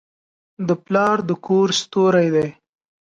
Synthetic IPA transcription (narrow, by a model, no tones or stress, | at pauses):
d̪əplɑɾd̪əkʰoɾst̪oɾajd̪aj